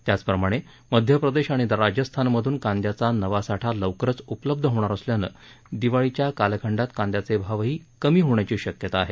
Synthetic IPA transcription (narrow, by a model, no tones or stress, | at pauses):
t̪jat͡spɾəmaɽ̃e | məd̪ʱjəpɾəd̪eɕaɽ̃iɾad͡ʑəst̪ʰanməd̪ʱuːnkãnd̪jat͡sanəʋasaʈʰaləʋkɾət͡supələb̚d̪ʱəɦoɽ̃aɾəsljanə̰ː | d̪iʋaɭit͡ɕjakalkʰəɳɖat̪kãnd̪jat͡sebʱaʋɦiːkəmiːɦoɳjat͡ɕiːɕəkjət̪aːɦe